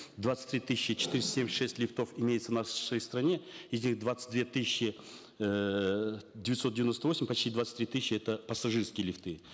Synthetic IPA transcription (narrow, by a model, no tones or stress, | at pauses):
d̪vat̪sɨ̥tʲt̪ɾʲit̪ɨsʲɕːɪt͡ɕɪ̥t̪iɾʲɪsʲsʲemʲʂɛsʲtʲlʲɪft̪ofɪmʲejɪt̪sənaʂəjst̪ɾɐnʲe̞ɪzʲnʲixd̪vat̪sɨ̥t̚ʲd̪vʲet̪ɨsʲɪɕːɪ | dʲɪvʲɪt̪sot̪̚dʲɪvʲɪnost̪əvo̞sʲɪmʲpɐt͡ɕtʲid̪vat̪sɨ̥t̪ʲɾʲit̪ɨsʲɕːɪɛt̪əpəsɐʐɨrskʲɪjəlʲɪft̪ɨ